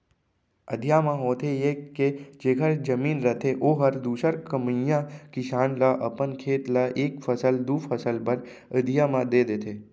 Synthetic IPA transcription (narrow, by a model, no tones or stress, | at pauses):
ə̰d̪ʱjaːmãɦoːt̪ʰejeːed͡ʒeːkəɾd͡ʒəmiːnɾət̪ʰeʔoːɦəɾd̪uːsəɾkəməjãkɪʃaːnlaʔəpənkʰeːt̪laʔeːkfʰəsəld̪uːfʰəsəlpəɾ | əd̪ʱijamãd̪eːd̪eːt̪ʰeː